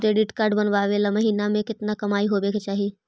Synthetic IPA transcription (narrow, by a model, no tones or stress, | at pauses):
ɾeːɖɪʈkaːɾɖbɐnʋaːʋeːlamɐɦiːnamẽkɪt̪nakɐmaːiɦobeːket͡ʃaːɦie